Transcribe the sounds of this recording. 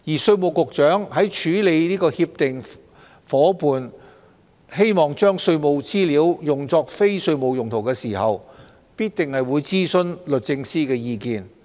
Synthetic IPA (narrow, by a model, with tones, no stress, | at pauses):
jiː˨˩sɵ˧ɥmo˨˧wkʊ˨k̚t͡ʃœː˨˥ŋɦɐ˨˥jt͡ʃʰyː˨˥le˨˧jliː˥kɔː˧hiː˧p̚t̪ɪ˨ŋ | fɔː˨˥puː˨n | he˥jmɔː˨˩ŋt͡ʃœː˥ŋsɵ˧ɥmo˨˧wt͡siː˥liː˨˥wjʊ˨˩ŋt͡sɔː˧k̚fe˥jsɵ˧ɥmo˨wjʊ˨˩ŋt̪ʰo˨˩wkɛː˧siː˨˩hɐ˨w | piː˥t̚t̪ɪ˨ŋhɐ˨jwuː˨˧jt͡siː˥sɵ˧nlɵ˨t̚t͡sɪ˧ŋsiː˥kɛː˧jiː˧kiː˨˧n